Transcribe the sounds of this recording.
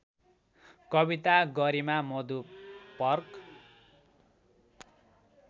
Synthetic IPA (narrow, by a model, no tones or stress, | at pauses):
kʌbit̪aɡʌɾimamʌd̪upʌrk